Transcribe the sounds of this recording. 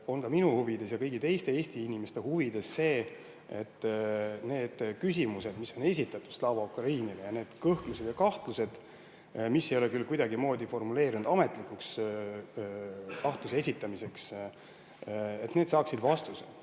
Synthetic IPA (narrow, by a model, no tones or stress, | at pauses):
o̞nkɑminuhuvid̪̥e̞sjɑkɤjɡit̪e̞jst̪e̞eːst̪iinimest̪e̞huvid̪̥e̞sːe̞ː | et̪ːne̞ːd̪̥kys̬ʲimuse̞d̪miso̞ne̞s̬ʲit̪ːˑɑt̪ːˑud̥̪slɑwvɑukɾɑiːnilejɑne̞ːd̪̥kɤhklused̪jɑkɑht̪luse̞d̪̥ | misːe̞jo̞lekylkujd̪̥ɑɡimo̞ːd̪ʲifo̞rmule̞ːɾinud̪ɑme̞t̪ˑlikˑuks | kɑht̪lusee̞sit̪ːˑɑmise̞ks | e̞t̪ne̞d̪sɑːksid̪vɑst̪use